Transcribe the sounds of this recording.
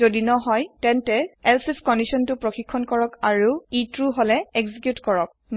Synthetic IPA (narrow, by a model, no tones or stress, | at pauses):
odinɔɦɔjtɛntɛɛlsipkɔndisɔntʊpɹoxikʰːɔnkɔɹɔkaɹuitɹuɦolɛeɡzikjutkɔɹɔk̚n